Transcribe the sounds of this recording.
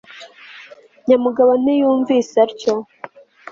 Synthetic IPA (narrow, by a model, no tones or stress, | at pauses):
ɲamuɡaβon̥ijuːɱviːsaɾco